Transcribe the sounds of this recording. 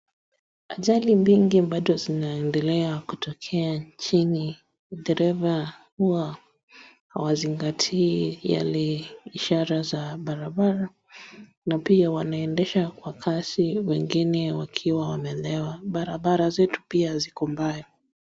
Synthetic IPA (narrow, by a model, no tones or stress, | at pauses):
aʄalimbiŋɡimbaɗɔzinaɛndɛlɛakutɔkʰɛaɲt͡ʃini | ɗɛɾɛvahua | ha̰waziŋɡatʰiːja̰lɛiʃaɾazaɓaɾaɓaɾa | napiawanaɛndɛʃakwakʰasiwɛŋɡinɛwakʰiwawamɛlɛwaɓaɾaɓaɾazɛtu̥piazikɔmbajɔ